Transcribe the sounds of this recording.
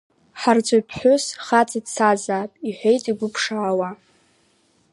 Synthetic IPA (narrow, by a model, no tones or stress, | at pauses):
ħart͡sʷʼojpʰħʷʊsχat͡sʼidt͡sʰazaːpʼiħʷᶣejtʼiɡʷʊpʰʂaːwa